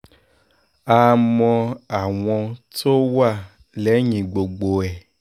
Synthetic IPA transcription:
a˨mɔ̃˧a˨w̃ɔ̃˧t̪o˦wa˦˨ | le˨˦ɲĩ˨ɡ͡bo˨ɡ͡bo˨ɛ˨

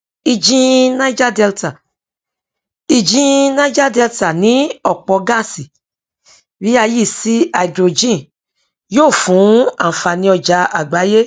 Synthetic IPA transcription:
i˧d͡ʒĩ˦nã˦d͡ʒa˦˨dɛ˧lta˨ | i˧d͡ʒĩ˦nã˦d͡ʒa˦˨dɛ˧lta˨nĩ˨˦ɔ˦˨k͡pɔ˧ɡã˦˨si˨ | bi˦a˧ji˦˨si˧˦a˨i˨dɾo˨d͡ʒĩ˦˨ | joː˦˨fũ˨˦a˨fa˨nĩ˧ɔ˧d͡ʒa˨˧˦a˨ɡ͡ba˨˦je˦

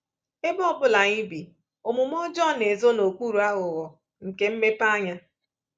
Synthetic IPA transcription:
e˦bɔ˦˨bʊ˦la˨ɲi˦bi˨ | o˨mu˨m˦ɔ˦d͡ʒɔ˦˨ne˨zo˦no˨kʷu˦ɾu˨a˦ɣʊ˨ɣɔ˨ | ŋ̩˨ke˨m̩˦me˦pa˦ɲa˦

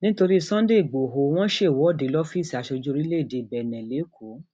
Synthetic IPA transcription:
nĩ˦to˧ɾi˦˧sã˦de˦i˨ɡ͡bo˨ɦo˧w̃ɔ̃˦ʃe˦˨wɔ˨˦˨de˨˦lɔ˦fi˦˨si˨a˨˧ʃɔ˧d͡ʒu˦ɾi˦le˦˨de˧˨bɛ˨nɛ̃˨le˨˦kʰo˨˦

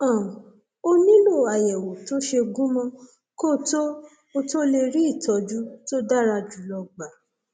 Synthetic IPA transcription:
ã˨ | o˧nĩ˦lo˦˨a˨jɛ˨wo˨to˦ʃe˧ɡũ˦mɔ̃˧ | ko˦˨to˦ | o˧to˦le˧ɾi˦i˦˨tɔ˨˧d͡ʒu˦to˦da˦ɾa˧d͡ʒu˨˦lɔ˧ɡ͡ba˨˦

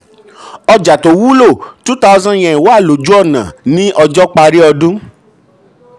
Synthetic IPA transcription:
ɔ˧d͡ʒa˨to˨˦wu˦lo˦˨tu˦ta˧ɔ˧zã˦j̃ɛ̃˨ĩ˨wo˦a˦˨lo˨d͡ʒu˦ɔ˦˨nã̰˨nĩ˦ʔɔ˧d͡ʒɔ˦k͡pa˧ɾi˦ɔ˧dũ˦

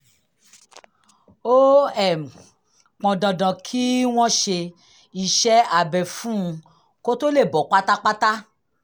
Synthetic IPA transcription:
o˦ɛ˨m˨ | k͡pɔ̃˨dã˨dã˨kʰi˦w̃ɔ̃˦ʃe˧ | i˧ʃɛ˦a˨bɛ˨fũ˦˧ | ko˦to˦le˦˨bɔ˨˦k͡pa˦ta˦k͡pa˦ta˦

